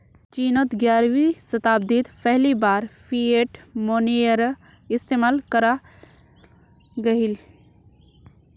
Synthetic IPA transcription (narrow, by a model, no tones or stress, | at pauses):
t͡ʃiːnət̪ɡjaːɾwisət̪aːb̚d̪it̪pʰɛɦlibaːɾpʰieʈmoːnejəɾ | ɪst̪eːmaːlkəɾa | ɡɐɦil